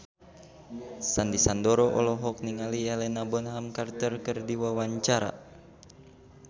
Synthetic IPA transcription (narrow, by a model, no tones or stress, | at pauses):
sandisandɔɾɔʔɔ̰lɔɦɔk̚niŋalialɛnabɔnɦamkart̪ərkɨrdiwawaɲt͡ʃaɾa̰